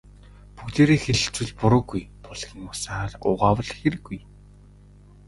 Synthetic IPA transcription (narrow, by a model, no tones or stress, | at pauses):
pukt̪eːɾeːxeɮɘ̆ɬt͡swɘ̆ɮpʊɾʊːɡujpʊɮɣʲĭŋʊsaːɮʊʁaːwə̆ɮxeɾɘ̆ɡuj